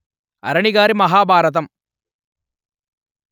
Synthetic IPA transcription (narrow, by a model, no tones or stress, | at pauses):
ɐ̰ɾɐɳiɡaːɾimɐɦaːbʱaːɾɐt̪̬ɐm